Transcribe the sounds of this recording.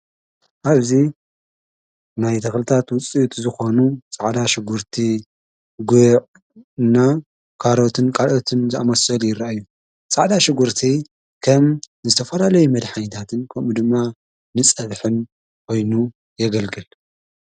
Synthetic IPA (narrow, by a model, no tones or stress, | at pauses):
ʔaβzi | najt̪ʰɐxlɨt̪ʰat̪wʊt͡sʼiut̪zɨxo̞nut͡sʼaʕd̪aʃɪɡuɾt̪ʰi | ɡuʕ | nːa | kʰaɾot̪ʰɨnkʼaɾot̪ʰɨnzɨamɐsɐljɪrːaʔajːu | t͡sʼaʕd̪aʃɪɡuɾt̪ʰi | kʰɐm | zɨt̪ʰɐfɐlalɐjumɐd̪ħajt̪ʰat̪ʰɨnkʰɐmud̪ɨmːa | nɨt͡sʼɐβħɨn | kʰo̞jnu | jɛɡɐlɡɨl